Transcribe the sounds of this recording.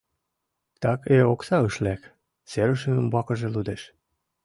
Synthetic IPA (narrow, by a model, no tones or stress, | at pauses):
t̪ɑkeoksɑɤʃlæk | seɾəʃə̆nəmbɑkɤ̆ʒelud̪eʃ